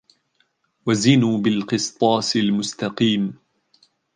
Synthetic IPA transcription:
wazɪnuːbɪlqɨst̪ˤɑːsɪlmʊst̪ɑqiːm

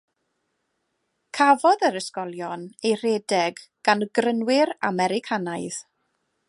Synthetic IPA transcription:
kʰavɔðəɾəskɔlˠjɔnejr̥edɛɡɡ̥anəɡrənwɪɾa̰mɛɾɪkʰanaɨð̥

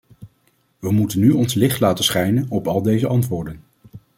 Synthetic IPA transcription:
ʋəmutənːyɔnslɪχtlaːtəsχɛjnənɔpɑlˠdejzəʔɑntʋʊːɹdən

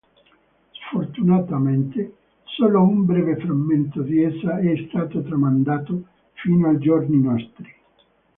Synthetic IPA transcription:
sfort̪unat̪ament̪e | soːloumbɾɛːvefɾamːent̪od̪iɛsaɛst̪aːt̪ot̪ɾamand̪aːt̪o | fiːnoajd͡ʒorninɔst̪ɾi

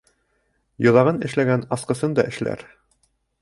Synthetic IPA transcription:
jŏðɑʁɤnɘ̆ʃlæɡænɑsqɤ̆sɤnd̪ɑʔɘ̆ʃlæ̰ɾ

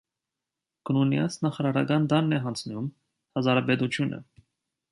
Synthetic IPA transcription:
ɡ̥ənunjɑt͡sʰnɑχɑɾɑɾɑ̰ɡɑnd̪ɑnːɛɦɑnt͡sʰnum | hɑzɑɾɑbɛt̪ut͡sʰjunʔə̰

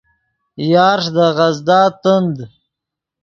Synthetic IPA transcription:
jɑːɾʂd̪əɣazd̪ɑːt̪ənd̪

